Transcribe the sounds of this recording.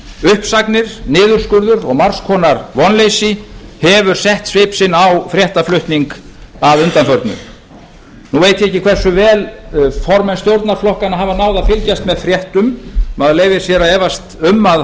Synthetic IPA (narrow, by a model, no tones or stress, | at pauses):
ʏhpsaknɪɾ̥nɪːðʏɾ̥skʏɾðʏɾɔɣmar̥skʰɔːnaɾvɔnlejsɪhɛvʏɾ̥sɛht̪sveːpsɪnawfɾjɛht̪aflʏht̪niŋkaðʏnt̪anfœɾt̪nʏ̰m | nuveːjt̪ɪɛhcːɪkʰv̥ɛr̥sʏvɛːlfɔɾmɛnst̪jowɾt̪naɾ̥flɔhkanaɦavanaːwðafɪlcast̪mɛðfɾjɛht̪ʏmmaðleːjvɪ̥sjɛɾaɛːvast̪ʏmːað